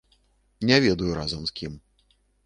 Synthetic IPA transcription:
nʲɛvʲɛd̪ujuɾazɐmskʲim

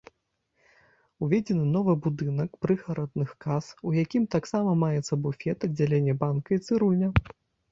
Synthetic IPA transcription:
uvʲed͡zʲɛnɨnɔvɨbud̪ɨnɐkpɾɨxɐɾɐd̪̚nɨxkasujakʲimt̪aksamɐmajɛt̪sːɐbufʲɛt̪ɐdd͡zʲːalʲenʲːɛbankɐit̪sɨɾunʲɐ

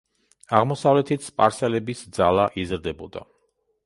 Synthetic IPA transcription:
aʁmɔsavlɛt̪ʰit̪sʰpʼaɾsɛlɛbisd̪zalˠaʔizɾd̪ɛbɔd̪a̰

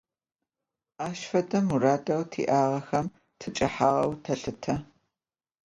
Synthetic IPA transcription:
aːʃfɐdʼɐmuraːtʼɐwtʰḭːʔaːʁɐxɐm | tʰɨt͡ʃʼɐħaːʁɐwtʰɐɬɨtʰɐ

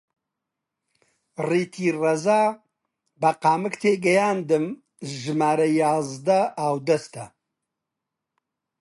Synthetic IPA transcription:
riːt̪ʰiːrɐzaː | bɐqaːmɨkt̪ʰeːɡɐjaːnd̪ɨm | ʒɨmaːɾɐjaːzd̪ɐaːwd̪ɐst̪ʰɐ

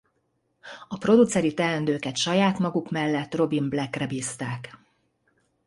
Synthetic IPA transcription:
ɒpro̞d̪ut̪sɛɾit̪ɛlɛnd̪øːkɛt̪ʃɒjaːt̪mɒɡukmɛlːɛt̪ːro̞bimblɛkrɛbiːst̪aːk

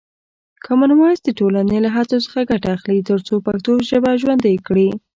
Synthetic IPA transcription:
kʰamanwɑsd̪əʈolanelaɦat͡sosə̥xaɡaʈaːxlit̪əɾt͡sopakt̪oʒəbaʒwand̪ajkɽi

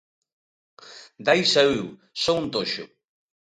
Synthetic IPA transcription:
d̪ajsayw | sount̪oʃʊ̰

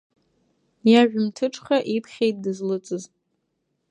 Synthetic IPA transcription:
jaʒᶣʊmtʰɨʈ͡ʂʰʼχaʔipʰχʲejt̚dɨzlɨt͡sʼɨz

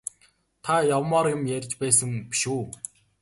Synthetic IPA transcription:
t̪ʰajawmaɾimjæɾ̆ʲt͡ɕpæːsə̆ŋpiʃuː

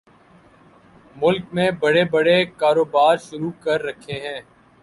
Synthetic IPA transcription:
mʊlkmẽbɐɽebɐɽekaːɾoːbaːɾʃʊɾukɐɾːɐkʰːeɦɛ̃ː

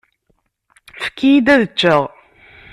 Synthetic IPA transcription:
fə̥kːijid̪æðət͡ʃːəʁ

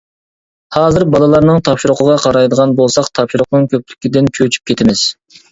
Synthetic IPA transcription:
hɑːzɨɾbɑlˠɑlˠɑɾnɨŋt̪ʰɑpʃiɾʊqʰəʁɑqʰɑɾɑjd̪əʁɑnbolˠsɑqt̪ʰɑpʃiɾʊqnɨŋkʲʰøp̚ly̥kʲid̪ɪnt͡ʃʰøt͡ʃʰy̥p̚kʲʰet̪ʰɪmɪz̥

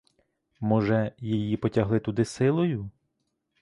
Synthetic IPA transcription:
mɔʒɛjejipɔtʲɐɦlˠɪt̪ʊd̪ɪsɪlˠɔjʊ

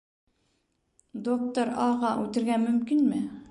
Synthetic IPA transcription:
d̪ok̚t̪oɾɑʁɑʔʉt̪ɘ̆ɾɡæmɵ̆mkinmɘ

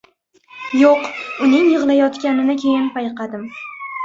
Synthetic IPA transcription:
joqʊnɪŋjɨʁlˠajɒt̪kʲanɪnɪkʲʰe̞jɪnpʰajqɑd̪ɪm

